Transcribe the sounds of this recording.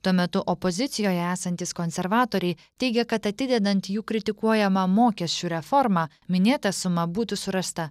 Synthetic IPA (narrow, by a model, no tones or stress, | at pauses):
t̪uɔmʲɛt̪ʊʔɔpɔzʲɪt̪sʲɪjoːjɛæːsɐnʲt̪ʲiːskɔnʲsʲɛɾʋɑːt̪oːɾʲɛɪ | t̪ʲɛɪɡʲɛkɐt̪ɐt̪ʲɪd̪ʲɛd̪ɐnʲt̪juːkɾʲɪt̪ʲɪkuɔjɛmɑmoːkʲɛsʲt͡ʃʲuːɾʲɛfɔɾmɑː | mʲɪnʲeːt̪ɐsʊmɐbuːt̪ʊsʊɾɐst̪ɐ